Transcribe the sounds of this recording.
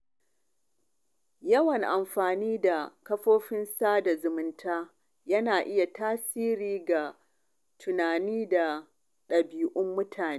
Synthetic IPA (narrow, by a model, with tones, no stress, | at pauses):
jɐ˦wɐ˨ŋʔa˨mɸaː˨niː˦da˨kɐ˦ɸoː˦ɸɪ˦nsaː˦da˨zʊ˨mʊ˦ntʰaː˦ | jɐ˦naː˨ʔɪ˦ja˨tʰaː˦siː˦ɾiː˨ɡa˨ | tʰʊ˨naː˨niː˦da˨ | ɗɐ˨biː˨ʔʊ˦mːʊ˦tʰaː˨neː˦